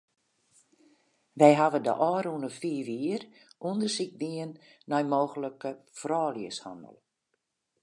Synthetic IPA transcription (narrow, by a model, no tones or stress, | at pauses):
ʋɛjɦaʋədə̰ʔɔːɾunəfiːʋiər | undərsik̚diənː | ɔjmoːɣələkəfrɔːljəsha̰ndə̰lˠ